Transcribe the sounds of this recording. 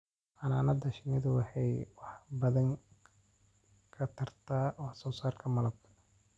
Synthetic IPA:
ʔɐnaːnɐd̪ɐʃɪnɪðʊwɑħɑjwɑħbɐðɐŋ | kʰɐt̪ʰɐrt̪ʰaːʔɔːsɔːsaːrkʰɐmɐlɐb̚t̪ʰɐ

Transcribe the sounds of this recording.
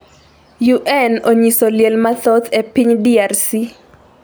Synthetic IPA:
juʔɛnoɲisoljelmat̪ot̪epiɲdiarsi

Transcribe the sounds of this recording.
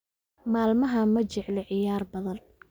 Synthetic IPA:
maːlmɐɦɐmɐt͡ʃɪʕlɛʕɪjaːrbɐðɐn

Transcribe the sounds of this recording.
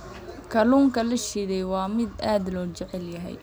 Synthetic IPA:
kʰɐluːŋkʰɐlɐʃɪɽɛjwɑːmɪd̪aːd̪lɔːt͡ʃɛʕɛljɐɦɛ̰j

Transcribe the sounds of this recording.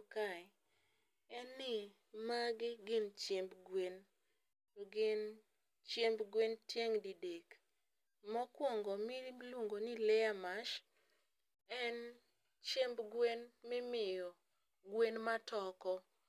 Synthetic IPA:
ka | ɛnːɪ | maɡɪɡɪnt͡ʃjembɡwen | toɡɪn | t͡ʃjembɡwentjeŋdidek | mɔkwoŋɡɔmɪluŋɡonɪlɛamaʃ | ɛn | t͡ʃembɡwenmɪmɪjɔ | ɡwenmatɔkɔ

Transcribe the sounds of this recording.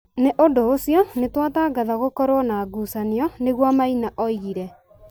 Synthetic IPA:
neʔondoːsijɔnetwataːɡaðaɣokɔɾwɔnaːɡuːsaniɔneɣwamainaʔɔiɣiɾɛ

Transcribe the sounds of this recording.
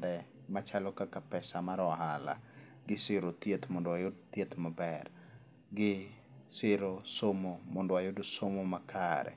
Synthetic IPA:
dɛ | mat͡ʃalɔkakapɛsamaɾɔaɦala̰ | ɡɪsɪɾot̪jet̪mɔndoajʊdt̪jet̪mabɛr | ɡɪ | sɪɾosomomɔndowajʊdosomomakʰaɾɛ̰

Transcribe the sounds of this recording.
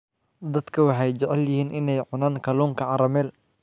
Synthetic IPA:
d̪ɐd̪kʰɐwɑħɑjd͡ʒɐʕɛljɪhiːnʔɪnɛjʕʊnaːnkʰɐluːŋkʰɐʕɑɾɐmɛːl

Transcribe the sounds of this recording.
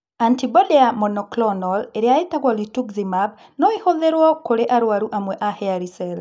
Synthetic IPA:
antibɔdɛamɔnɔklɔnɔleɾeaetaɣwalituɡzimab | nɔehoðeɾwɔkoɾeʔaɾwaɾuʔamwɛʔahɛaɾisɛl

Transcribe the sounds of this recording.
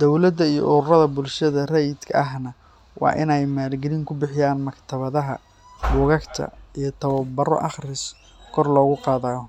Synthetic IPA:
d̪̥ɔwlɐd̪ɐijɔ̰ʔʊɾʊrɐðɐbʊlʃɐðɐrɛjd̪kʰɐɐɦnɐ | wɑ̰ːʔɪnɛjmaːlɡɛlɪŋkʰʊbɪħɪjaːnmɐkt̪ʰɐβɐðɐɦɐ | wʊɣɐkt̪ʰɐ̰ijɞt̪ʰɐβɐbɐrɔ̰ʔɑχrɪs | kʰɔrlɔːɣʊqɑːðaːj

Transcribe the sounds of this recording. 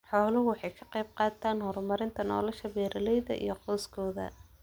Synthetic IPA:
ħɔːlʊɦʊwɑħɑjkʰɐ̥qejb̚qɑːt̪ʰaːnhɔrmɐɾɪnt̪ʰɐnɔ̰ːlɐʃɐbɛːɾɐlɛjðɐ̰ʔḭjɞqɔːskʰɔːðɐ̰

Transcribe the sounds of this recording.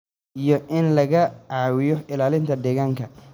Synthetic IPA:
ʔijɔʔɪnlɐɣɐʕɑːwɪjɔɪlaːlɪnt̪ʰɐd̪ɛːɣaːŋkʰɐ

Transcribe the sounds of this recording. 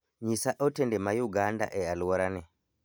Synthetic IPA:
ɲisaʔɔtɛndɛmajuɡanda̰ʔɛaluwɔɾanɛ

